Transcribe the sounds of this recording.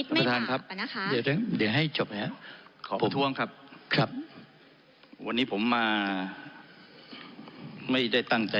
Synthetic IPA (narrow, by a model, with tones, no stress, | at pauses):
a˧t̪ʰaː˧nkʰɾa˦˥p̚dɯ˧˩ɾɯ˧˥˩ŋdɯ˩˦ɦa˥˩jt͡ɕo˨˩p̚ha˦˥kʰɔː˨˦pʰoa˩˦t̪ʰu˦˥əŋkʰa˦˥p̚kʰɾa˦˥p̚ | wa˧nːiː˦˥pʰo˩˦mːaː˧ | ma˥˩jda˥˩jt̪a˥˩ŋt͡ɕa˧